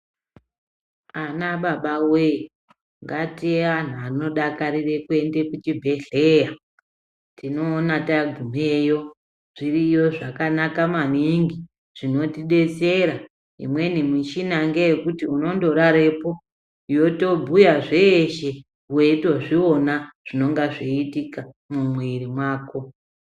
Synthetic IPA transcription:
anaɓaɓawe | ŋɡatian̤uano̞ɗakaɾire̞kue̞nde̞kut͡ʃibʱe̞ɮeːja | tino̞ːnataɡʱum̤ejo̞ | ʐ̥irijo̞ʐakanakaman̤iŋɡi | ʐ̥ino̞tiɗe̞t͡se̞ɾa | ḭmwe̞nimut͡ʃinaŋɡejekutiuno̞ndo̞ɾaɾe̞po̞ | jo̞to̞bʱujaʐe̞ːʃe̞ | ue̞itoʐionaʐ̥ino̞ŋɡaʐeitika | mumwiɾimwaːko̞

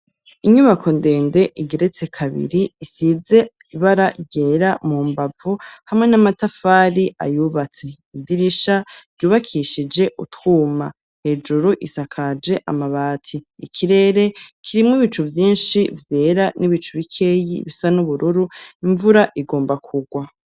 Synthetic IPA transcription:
iɲuβakʰo̞nde̞ːnde̞ʔiɡe̞ɾe̞t͡se̞kʰaβḭɾiːsize̞ | iβaɾaɟe̞ːɾamuːmbavuhamŋe̞namatafaːɾiʔa̰juːβat͡se̞ | idiɾiʃḁɟuːβakʰiʃid͡ʒe̞ʔutwuːma | he̞ːd͡ʒuɾuʔisakʰad͡ʒe̞ʔamaβaːtʰiːkʰiɾe̞ːɾe̞kʰiɾimŋwiβit͡ʃuvjiːnʃivjeːɾaniβit͡ʃuβikʰeːjḭβisanuβuɾuɾuiɱvuɾaʔiɡo̞ːmbakʰuɡwa

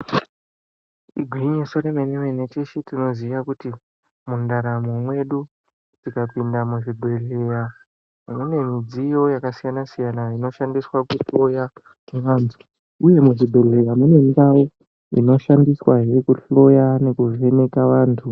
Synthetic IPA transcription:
iɡʱwiɲesoɾemeneʋenet͡ʃeʃitino̞ziʋakuti | mundaɾamomwe̞ɗu | tikapindamuʐidʱo̞ɮe̞ja | mune̞mid͡zijo̞jakasijanasijanaino̞ʃandiswakuɬo̞ja | meʋaːntʰu̥ | uje̞muʐidʱo̞le̞jamune̞ndao | ḭno̞ʃandiswaɦeɾekuɬo̞jane̞kuʐʋe̞ne̞kaʋaːntʰu

